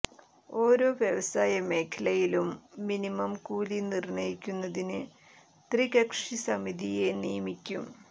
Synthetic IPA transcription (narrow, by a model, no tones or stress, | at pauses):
o̞ːɾo̞ːʋjɐʋɐsaːjɐme̞ːkʰɐlɐjilumːinimɐmkuːlinirɳɐjikʲːunːɐðinɨ | t̪riɣɐkʂisɐmiðijenijɐmikʲːum